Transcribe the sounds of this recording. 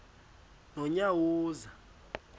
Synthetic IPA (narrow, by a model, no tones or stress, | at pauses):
nɔɲawuːza